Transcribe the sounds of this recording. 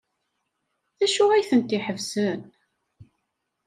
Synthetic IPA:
θæʃʊʁæjθənt̪iħəvsən

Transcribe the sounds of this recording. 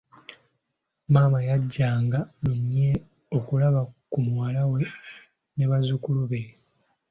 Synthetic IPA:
maːmajaɟːaːŋɡanoɲːe | o̞kulaβakumwaːlawe̞ | ne̞βazukuluβe

